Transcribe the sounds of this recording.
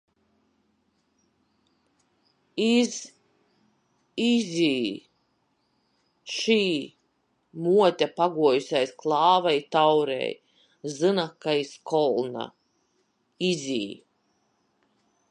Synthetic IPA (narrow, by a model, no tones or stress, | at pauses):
iz | izʲiː | ʃiː | muɔt̪ʲapaɡuɔjusʲajsklˠɑːvajt̪awɾɛ̰j | zɨnakːajskʰɔlˠna̰ | izʲḭː